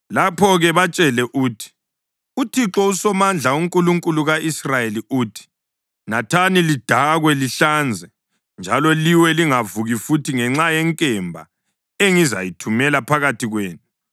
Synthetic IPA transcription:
lapʰɔɣɛβat͡ʃʼɛlɛʔuːtʰi̥ | utʰiǁɔusɔmand͡ɮʱauŋkʼuluŋkʼuluɣaʔisrajeliuːtʰi̥ | natʰanilid̥ʱaɣwɛliɬand͡zʱɛ | nd͡ʒʱalɔliwɛliŋavuɣifutʰiŋɛŋ͡ǁajɛŋkʼɛmbʱa̰ | eŋiza̰jitʰumɛlapʰaɣatʰiɣweːnu

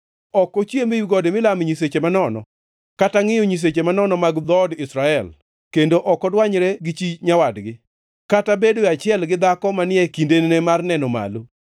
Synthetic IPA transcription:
ɔkːɔt͡ʃjemejuɡɔdemɪlamɲiset͡ʃemanɔnɔ̰ | kataŋɪjɔɲis̬et͡ʃemanɔnɔmaɡd̪ɔdɪsɾaɛl | kendoʔɔkɔdwaɲɾeɡɪt͡ʃiɲawadɡɪ | katabedoeat͡ʃɪɛlɡɪd̪akɔmanɪɛkindennemarnɛnɔma̰lo

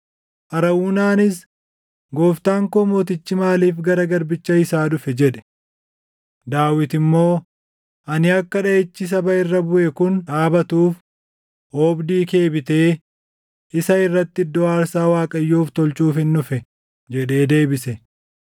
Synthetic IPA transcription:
ʔɐɾɐwuːnaːnɪs | ɡoːft̪aːŋkɔmoːt̪̬ɪt͡ʃːɪmaːliːfɡɐɾɐɡɐɾbɪt͡ʃːɐɪsaːᶑʊfɛd͡ʒɛᶑɛ̥ | d̪aːwɪt̪ɪmːo̞ː | ʔɐnɪɐkːɐᶑɐet͡ʃːɪs̬ɐbɐɪrːɐbʊʔɛkʊnᶑaːbɐt̪uːf | oːbd̪iːke̞ːbɪt̪e̞ː | ʔɪsɐɪrːɐt̪ːɪd̪ːɔaːɾsaːwaːkʼɐjːuːft̪ɔlt͡ʃuːfhɪnːʊfɛ | d͡ʒɛᶑe̞ːd̪e̞ːbɪsɛ

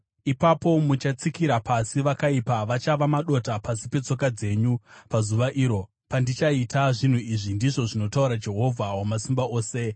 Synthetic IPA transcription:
ipapo̞mut͡ʃat͡sikiɾapasiʋakaipaʋat͡ʃaʋamaɗo̞tapasipe̞t͡so̞kad͡ze̞ɲupazuʋaʔiːɾo̞ | pandit͡ʃaitaʐin̤uiʐindiʐo̞ʐino̞tauɾad͡ʒe̞ɦo̞vʱawamasimbaʔo̞ːse̞

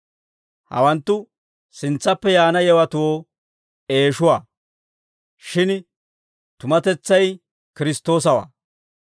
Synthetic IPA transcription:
hɐ̰wɐnt̪ːʊ | sɪnt͡sːɐpːɛjaːnɐjɛwɐt̪ʊwoː | e̞ːʃʊwaː | ʃɪn | t̪ʊmɐt̪ɛt͡sːɐj | kɪɾɪst̪ːo̞ːs̬ɐwa̰ː

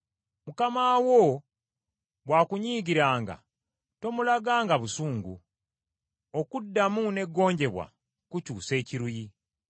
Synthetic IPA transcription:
mukamaːwo | βwaːkuɲiːɡiɾaːŋɡa̰ | to̞mulaɡaːŋɡaβusuːŋɡṵ | okudːamune̞ɡːo̞ːɲɟe̞βwa̰ | kucuːse̞ːciɾuji

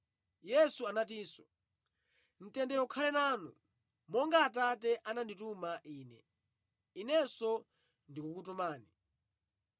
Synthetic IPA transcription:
jɛsuanatiːsɔ̥ | n̩tɛndɛɔkʰalɛnaːnṵ | mɔŋɡaːtatɛʔananditumaʔiːnɛ̰ | inɛsɔ | ndikukutumaːni

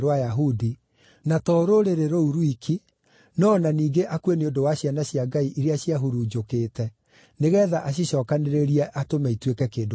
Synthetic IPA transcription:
ɾwajaɦudi | natɔɾoɾeɾeɾouɾwikʰi | nɔnaniːɡeʔakweneondowaɕjanaɕjaɡaiʔiɾeaɕiaɦuɾuːd͡ʒokeːtɛ | neɣɛːðaʔaɕ̬iɕɔːkaneɾeɾiɛʔatomaitwekɛkeːndo

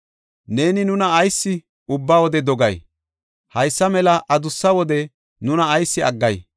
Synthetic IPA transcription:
ne̞ːnɪnʊnɐːjsːɪ | ʊbːawɔd̪ɛd̪ɔɡɐj | hɐjsːɐmɛlɐʔɐd̪ʊsːɐwɔd̪ɛ | nʊnɐːjsːɪɐɡːɐj

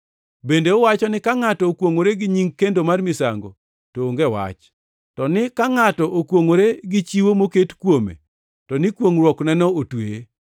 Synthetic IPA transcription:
bendeʊwat͡ʃɔnɪkaŋatɔːkwoŋoɾeɡɪɲiŋkendomarmɪsa̰ŋɡo̰ | toːŋɡewa̰t͡ʃ | tɔnɪkaŋatɔʔokwoŋoɾeɡɪt͡ʃiwomoketkwomḛ | tɔnɪkwoŋrwɔknɛnɔotwee

